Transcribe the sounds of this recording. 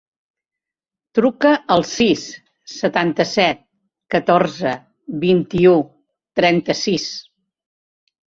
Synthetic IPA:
t̪ɾukəəlˠsisː | ət̪ant̪əsɛt̪̚ | kət̪oɾzə | βint̪iu | t̪ɾɛnt̪əsis

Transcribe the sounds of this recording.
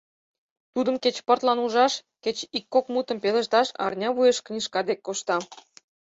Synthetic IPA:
t̪ud̪ə̆mket͡ɕpə̆rt̪lɑnuʒɑʃkʲet͡ɕikːokmut̪ə̆mpelə̆ʃt̪ɑʃɑ̰rnʲɑβujeʃknʲiʃkɑd̪ekːoʃt̪ɑ

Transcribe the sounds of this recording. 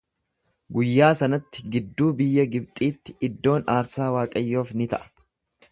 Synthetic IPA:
ɡʊjːaːsɐnɐt̪ːɪɡɪd̪ːuːbɪjːɐɡɪb̚t̪ʼiːt̪ːɪʔɪd̪ːo̞ːnaːɾsaːwaːkʼɐjːo̞ːfnɪt̪ɐ̰ʔɐ̥

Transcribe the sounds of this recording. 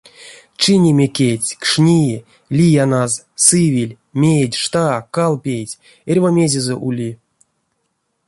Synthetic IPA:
t͡ʃɨnʲemʲekʲetʲkʂnʲi | lʲijanaz | sɨvʲilʲ | mʲejdʲʂt̪akalˠpʲejtʲ | erʲvamʲezʲezɛʔulʲi

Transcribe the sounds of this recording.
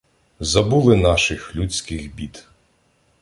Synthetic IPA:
zɐbulˠɪnɑʃɪxlʲut͡sʲkɪxbʲid̪

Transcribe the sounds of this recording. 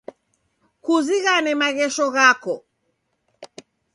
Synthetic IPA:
kuziɣanɛmaɣɛʃɔɣakɔ

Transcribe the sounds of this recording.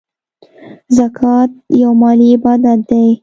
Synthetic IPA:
zakʰɑt̪̚jawmɑliɪbɑd̪at̪̚d̪aj

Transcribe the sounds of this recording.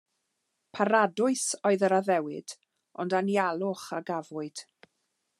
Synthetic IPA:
pʰaɾadʊɨsɔɨðəɾaðɛwɨd̥ | ɔndanjalˠʊχaɡavʊɨd̥

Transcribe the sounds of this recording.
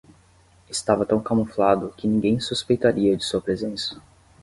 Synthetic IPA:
ɪst̪avɐt̪ɐ̃w̃kamuflad̪ʊkɪnĩɡẽj̃suspejt̪aɾiɐd͡ʒɪsuɐpɾezẽsɐ̥

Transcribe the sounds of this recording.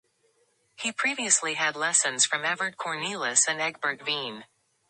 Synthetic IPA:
hipʰɹ̥iviɨsliɨdˡlɛsɨ̃nz̥fɹʌ̃mɛvə˞d̚kʰɔɹnilˠəsɨ̃nɛɡ̚bə˞tvĩn

